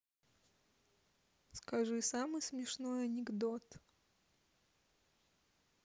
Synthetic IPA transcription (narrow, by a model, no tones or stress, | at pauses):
skɐʐɨsamɨjsmʲɪʂnojɐnʲɪɡd̪ot̪